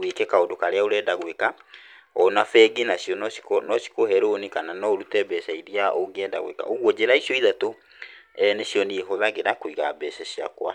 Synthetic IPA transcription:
wekɛkaodokaɾeaoɾɛːdaɣweka | ɔnafɛɡinasjɔnɔsi̥konɔsi̥koɦɛɾonikananɔɾutɛbɛsaiɾiaʔoŋɡeɛda̰ɣwḛka̰ʔoɣwɔd͡ʑeɾaisjɔiðato | ɛnesjɔneɦoðaɣeɾakoiɣabɛsɛɕia̰kwa̰

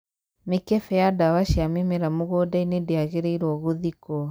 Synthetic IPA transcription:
mekɛfɛjadawaʃiamemeɾamoɣɔdainedeaɣeɾeiɾwɔɣoðikɔ

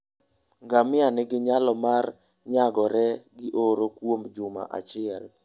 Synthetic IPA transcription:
ŋɡamɪanɪɡɪɲalɔmar | ɲaɡɔɾɛɡɪʔoɾokwomd͡ʒʊma̰ʔa̰t͡ʃɪɛl

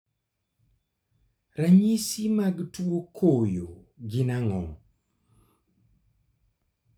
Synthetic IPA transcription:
ɾaɲisimaɡtuokʰojo | ɡɪnaŋɔ̰ŋ

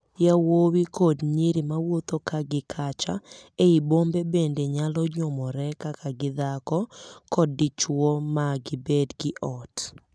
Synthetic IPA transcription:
jawowikodɲiɾimawot̪okaɡɪkʰat͡ʃa̰eibombebendeɲalɔɲomɔɾɛkakaɡɪd̪akɔkɔdɪt͡ʃwomaɡɪbedɡɪʔɔt

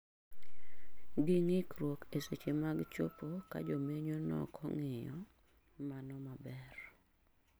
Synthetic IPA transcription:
ɡɪŋɪkɾwokeset͡ʃemaɡt͡ʃo̰poka̰d͡ʒomeɲonɔ̰kʰɔ̰ŋɪjɔ | manɔmabɛr

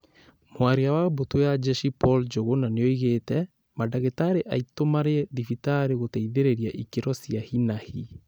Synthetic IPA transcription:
mwaɾeawabotwejad͡ʒɛʃipɔld͡ʒoɣonaneɔiɣeːtɛ | madaɣetaɾeʔaitomaɾedifitaɾeɣotɛiðeɾeɾiaʔikeɾɔsiahinahi

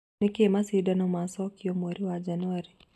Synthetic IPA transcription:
ɛkemasidanɔmasɔkiomoɾiwad͡ʒanɔɾi

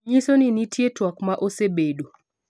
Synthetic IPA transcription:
ɲisoninitʰjetwɔkmaʔosebedo

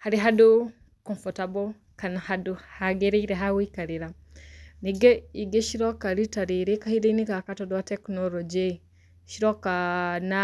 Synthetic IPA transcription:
haɾiɦadu | kɔnfɔtabo | kanahaduhaɡeɾeiɾeɦawikaɾiɾa | niɡeiɡeʃiɾokaɾitaɾiɾekahiɾeiniɡakatɔdɔatɛknolɔd͡ʒe | ʃiɾokana

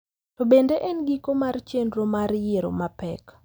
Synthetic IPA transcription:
tobendeʔɛnɡikomart͡ʃendɾomaɾjeɾo̰mapɛk

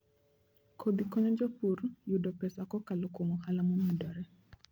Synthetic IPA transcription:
kʰod̪ikɔɲɔd͡ʒɔpurjudɔpɛsakɔkalɔkomɔhalamɔmɔdɔɾɛ

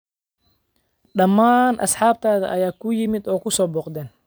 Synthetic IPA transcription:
ɖɐmːaːnʔɐ̰sħɑːb̚t̪ʰaːðɐ̰ʔɐjaːkʰʊjɪmɪd̪ɔːkʰʊsɔːbɔːqd̪ɛːn

